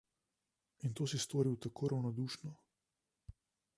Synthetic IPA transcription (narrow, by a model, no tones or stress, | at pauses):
int̪oːsist̪vɔːɾiwt̪akʰoːɾʔawnɔd̪uːʃnɔ